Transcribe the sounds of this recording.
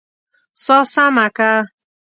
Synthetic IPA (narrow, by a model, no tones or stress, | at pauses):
sɔsamaka